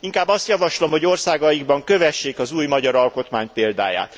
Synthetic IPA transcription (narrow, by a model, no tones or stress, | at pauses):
iŋkaːbːɒst̪jɒvɒʃlo̞mho̞ɟo̞rsaːɡɒjiɡbɒŋkø̞vɛʃːeːkɒzuːjmɒɟɒɾɒlko̞t̪maːɲpeːld̪a̰ːja̰ːt̪